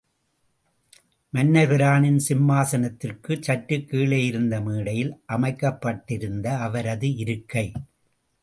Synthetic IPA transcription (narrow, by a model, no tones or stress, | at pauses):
mɐnːɐɣɪɾaːnɪnsɪmːaːsɐnɐt̪ːɪrkɯt͡ʃɐʈɾɯkːiːɭeːjɪɾɯnd̪ɐmiːɽɐjɪlʔɐmɐɪkːɐpːɐʈːɪɾɯnd̪ɐːʋɐɾɐðɯɪɾɯkːɐɪ